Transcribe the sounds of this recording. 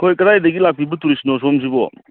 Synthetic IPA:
kʰojkɐɾajdɐɡilak̚pibɯtuɾisinɔs̬ɔms̬ibɔ

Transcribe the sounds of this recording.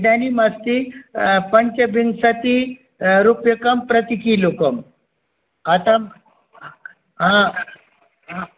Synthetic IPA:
ɖanimast̪ipəɲt͡ɕəbiŋɡsat̪i | ɾupjəkəmpɾət̪ikilokəm | at̪a | ɦã | ɦã

